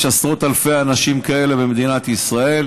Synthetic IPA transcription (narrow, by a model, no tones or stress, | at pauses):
ʃasʁo̞t̪alfe̞anaʃimkae̞le̞be̞med̪inat̪isʁae̞l